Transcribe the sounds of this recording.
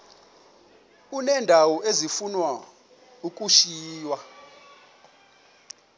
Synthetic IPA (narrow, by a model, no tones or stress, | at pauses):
unɛndʱawɔʔezifunwa | ukʼuʃiːjwa